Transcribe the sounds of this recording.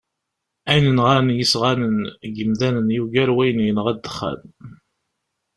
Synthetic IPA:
æjnənʁanjisʁænənɡəmðænənjuɡæɾwæjənijənəʁæd̪ːə̥χːæ̰n

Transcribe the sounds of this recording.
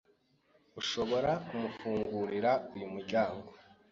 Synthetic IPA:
uʃo̞βo̞ɾakumufuːŋɡuːɾiɾaujumuɾɟaːŋɡo̞

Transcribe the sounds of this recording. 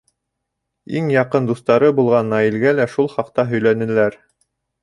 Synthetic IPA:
iŋjɑqɤnd̪ust̪ɑɾɤbulˠʁɑnːɑjilɡælæʃulˠχɑqt̪ɑɦɵ̆jlænɘ̆læɾ

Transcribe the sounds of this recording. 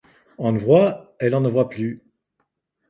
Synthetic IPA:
ɑ̃vwaɛlɑ̃nəvwaply

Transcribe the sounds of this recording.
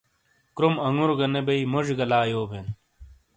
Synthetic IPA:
kɾumɐŋɡuɾɡɐnebɐimoʑɡɐlaːjoːbʱen

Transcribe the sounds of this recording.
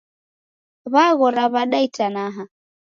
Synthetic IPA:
βaɣɔɾaβaɗaitanaɦa

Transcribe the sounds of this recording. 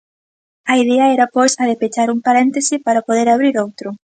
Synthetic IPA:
ɐið̞ɛɐɛɾɐpojsɐðepet͡ʃaɾuŋpaɾɛnt̪esɪpaɾapoðeɾaβ̞ɾiɾowt̪ɾʊ

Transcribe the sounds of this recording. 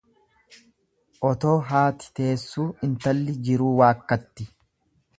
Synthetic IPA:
ʔɔt̪o̞ːɦaːt̪ɪ̥t̪e̞ːsːuːɪnt̪ɐlːɪd͡ʒɪɾuːwaːkːɐt̪ːɪ

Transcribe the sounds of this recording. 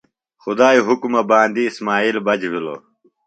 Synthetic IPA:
xʊd̪aːiɦukmɐbaːnd̪iːsmaːiːlbɐd͡ʑʋilo̰

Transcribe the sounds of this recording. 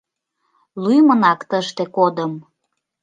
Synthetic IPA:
lyjmənɑkt̪əʃt̪ekod̪əm

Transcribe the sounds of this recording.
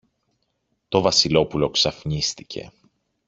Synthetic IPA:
t̪o̞vɐsilo̞pulo̞ksɐfɲist̪icʰe̞̰

